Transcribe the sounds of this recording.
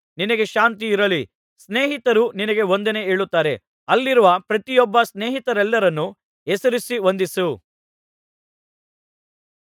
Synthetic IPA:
ninɐɡe̞ʃaːnt̪iːɾɐli | sne̞ːɦit̪ɐɾuninɐɡe̞o̞nd̪ɐne̞eːɭut̪ːaːɾe̞ | ɐlːiɾuʋɐpɾɐt̪ijɔbːɐsneːɦit̪ɐɾɛlːɐɾɐnːu | ɛsɐɾisiʋond̪isu

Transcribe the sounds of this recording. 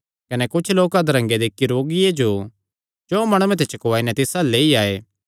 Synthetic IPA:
kɐnɛkʊt͡ʃʰloːkad̪ɐɾɐ̃ŋɡed̪eːkːiɾoːɡɪjed͡ʒo | t͡ʃɔːmɐɽ̃uẽt̪̬et͡ʃɐkoʋaːinɛt̪ɪsaleːiaːeː

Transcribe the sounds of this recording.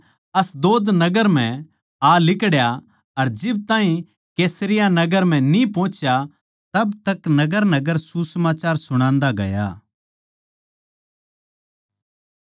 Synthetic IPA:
ɐsd̪oːd̪nɐɡəɾm̤ɛ̃ | alɪkɽja | ɐɾd͡ʒɪb̚t̪ãːɦĩ | keːsɾɪjanɐɡəɾm̤ɛ̃nĩpɔ̃ːt͡ʃja | t̪ɐbt̪ɐknɐɡəɾnɐɡəɾsusəmaːt͡ʃaːɾsʊɽ̃ãːnd̪aɡɐ̰ja̰ː

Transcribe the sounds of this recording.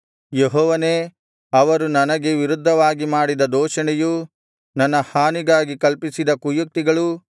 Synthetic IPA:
jeɦɔːʋɐneː | ɐʋɐɾunɐnɐɡe̞ʋiɾud̪ʱːɐʋaːɡimaːɽid̪ɐd̪ɔːʃɐɳɛju | nɐnːɐhaːniɡaːɡikɐlpisid̪ɐkujuk̚t̪iɡɐɭu

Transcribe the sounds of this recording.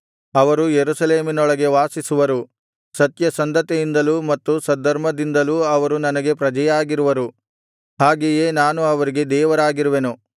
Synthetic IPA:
ɐʋɐɾujeɾusɐleːminɔɭɐɡe̞ʋaːsisuʋɐɾu | sɐt̪jɐsɐnd̪ɐt̪ejind̪ɐlumɐt̪ːusɐd̪ʱːɐɾmɐd̪ind̪ɐluɐʋɐɾunɐnɐɡe̞pɾɐd͡ʒɐjaːɡiɾuʋɐɾu | haːɡejeːnaːnuɐʋɐɾiɡe̞d̪ɛːʋɐɾaːɡiɾuʋenu

